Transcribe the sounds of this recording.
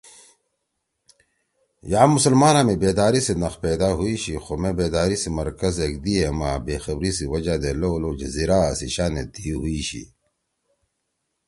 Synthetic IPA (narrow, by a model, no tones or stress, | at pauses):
jaːmusəlmaːnaːmebeːd̪aːɾisenɐxpeːd̪aːɦuiɕixomẽbeːd̪aːɾisimɐɾkɐzeːk̚d̪iemaːbeːxɐbɾisiwɐd͡ʑad̪eloːloːd͡ʑeziɾaːsiɕaːnḛd̪iːɦuiɕḭ